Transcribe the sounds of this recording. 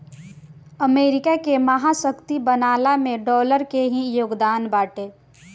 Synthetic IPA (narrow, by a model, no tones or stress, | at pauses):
əmeːɾɪkakeməɦasəkt̪ibənaːlamẽɖɔːləɾkeɦĩjoːɡd̪aːnbaːʈe